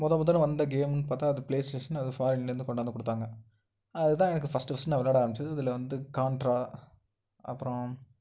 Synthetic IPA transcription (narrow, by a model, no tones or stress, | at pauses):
mɔðɐmɔðɐlɯ̃ʋɐnd̪ɐɡeːmnɯpaːɾt̪aːɐðɯpleːsʈeːʂɐnɐðɯfaːɾɪnlɐɾɯnd̪ɯkɔɳɖaːnd̪ɯkɔɽɯt̪ːaːŋɡɐ | ɐðɯt̪ãːɛnɐkːɯfɐsʈɯʋɐsɐnɐʋɐlːaːɽaːɾɐmbɪt͡ʃːɐðɯɐðɪlɐʋɐnd̪ɯkaːɳʈɾaː | ɐ̰pːɯɾõ